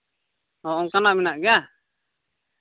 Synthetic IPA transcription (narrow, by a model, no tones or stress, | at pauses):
ɔʔɔŋkanaʔminaʔɡɛa